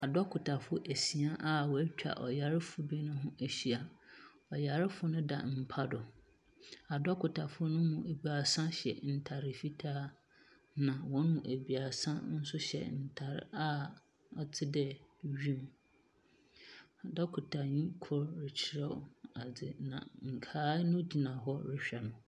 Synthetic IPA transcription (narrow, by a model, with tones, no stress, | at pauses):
a˨dɔ˦kʰʊ˨tʰa˨fʊ˦ʔæ˨si˨a˦ʔa˦wɔ˨æ˦t͡ɕᶣa̰˨ʔɔ˨ja˨ɾɪ˦fʊ˨dʊ˦e˦nʊ̃˦ɦʊ̃˦ʔæ˨ɕi˨a˨ | ɔ˨ja˨ɾɪ˦fʊ˨˦nʊ̃˦da̰˨m̩˨pʰa˦dʊ˨ | a˨dɔ˦kʰʊ˨tʰa˨fʊ˦nʊ̃˦mũ˨e˨bi˨a˨sã˦ɕɛ̰˨n̩˨tʰa˨ɾɪ˨fi˦tʰaː˦ | nã˨wɔ̃˦nmũ˨ʔæ˨bi˨a˨sã˦n̩˦sʊ˦ɕɛ̰˨n̩˨tʰa˨ɾɪ̰˦a˦ | ɔ˨tʰɪ˦dɛ˨ɥᶣĩ˦˨m˨ | dɛ˦kʰʊ˨tʰa˨ɲĩ˦kʰʊ˦ɾɾɪ˨t͡ɕʰɪ˦˨ɾɛ̰˦˨a˨d͡zɪ˨nã̰˨ŋ̩˨kʰaː˦nʊ̃˦d͡ʑi˨nã˨ɦɔ˦ɾɪ˦ɕᶣɛ˨nʊ̃˨